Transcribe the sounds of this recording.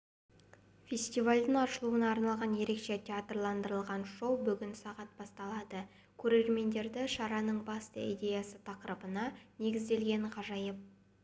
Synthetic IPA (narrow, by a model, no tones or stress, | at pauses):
fʲe̞sʲt̪ivalʲd̪ɪŋɑʃəlˠuənɑːɾnɑlˠʁɑnje̞ɾe̞kʃe̞t̪ʰʲeat̪rlˠɑnd̪əɾəlˠʁɑnʃo̞wbʏɡʲɪnsɑʁɑt̪̚b̥ɑst̪ɑlˠɑd̪ə | kʲʰɵɾe̞ɾme̞nd̪e̞ɾd̪ɪʃɑɾɑnəɴbɑst̪ə̰id̪ʲe̞jasət̪ʰɑqəɾəbənɑne̞ɡʲɪzd̪e̞lɡʲe̞ɴqʰɑʒɑjəp̚